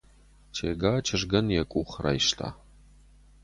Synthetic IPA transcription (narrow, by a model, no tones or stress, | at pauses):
t͡ʃʰeːɡaːt͡ʃʰɪʐɡɐnjɛkʷʼuːχra̰jʃtʰa̰ː